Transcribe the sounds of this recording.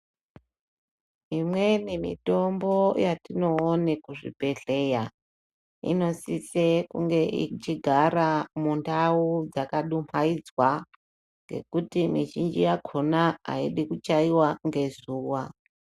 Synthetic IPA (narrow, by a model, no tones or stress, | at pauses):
imwe̞nimḭto̞mbo̞jatino̞ːne̞kuʐḭpe̞ɬe̞ja | ḭno̞sisekuŋɡe̞ʔḭt͡ʃiɡʱaɾamundaud͡zakaɗumaid͡zwa | ŋɡe̞̰kutimiʒind͡ʒijakʰonaa̰iɗikut͡ʃaiwaŋɡe̞zuːwa